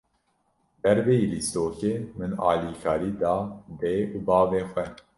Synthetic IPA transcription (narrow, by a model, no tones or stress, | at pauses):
d̪̥ɛɾveːjilist̪oːkeːmɨnɑ̰ːliːkʰɑːɾiːd̪ɑːb̪eːuːbɑːveːxʷɛ